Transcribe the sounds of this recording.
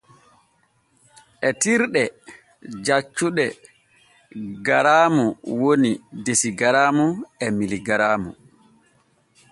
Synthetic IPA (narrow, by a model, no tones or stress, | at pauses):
ʔɛtiɾɗɛ | d͡ʒat͡ʃːuɗɛ | ɡaɾaːmuwonidesiɡaɾaːmuɛmiliɡaɾaːmṵ